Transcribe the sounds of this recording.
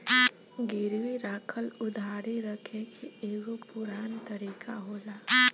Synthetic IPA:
ɡɪɾʋiɾaːkʰəlʊd̪ʱaːɾiɾɐkʰekieːɡopʊɾaːnt̪ɐɾiːkaɦoːlaː

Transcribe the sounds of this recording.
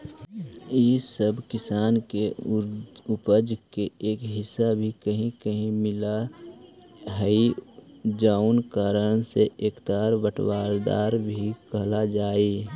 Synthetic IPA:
isəbkɪsaːnke | ʊpəd͡ʒkeeːkɦɪsːabʱikəɦĩkəɦĩmɪla | ɦəi | d͡ʒaːʊnkaːɾəɽ̃seʔeːkt̪aːɾbəʈʰwaːɾd̪a̰ːɾbʱikəɦlad͡ʒaːi

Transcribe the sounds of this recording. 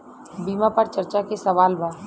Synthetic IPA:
biːmapəɾt͡ʃəɾt͡ʃakesɐʋaːlba

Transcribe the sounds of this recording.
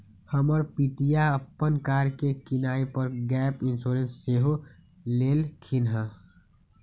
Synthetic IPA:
həməɾpit̪ijaəpːənkaːɾkekɪnaːepəɾɡɛːpɪnsoːɾẽnsːeɦo | leːlkʰɪnɦə

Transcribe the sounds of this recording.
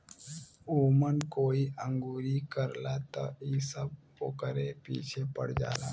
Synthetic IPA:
uːmənkoːiə̃ŋɡuːɾikəɾlat̪a̰isəb | okəɾepiːt͡ʃʰepəɽd͡ʒa̰ːla̰ː

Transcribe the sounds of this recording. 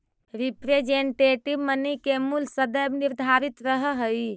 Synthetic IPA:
ɾipɾed͡ʒeɳʈeʈibmənəkemulsəd̪əjbniɾd̪ʱaɾit̪ɾəɦəɦəj

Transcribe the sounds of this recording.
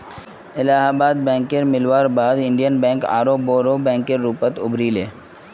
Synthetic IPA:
ɪlaːɦabaːd̪̚bɛ̃ːŋkːeɾmɪlʋaːɾbaːd̪ɪ̃ɳɖijənbɛ̃ːŋka̰ːɾoːboːɾoːbɛ̃ːŋkːeɾɾuːpət̪ʊbɾileː

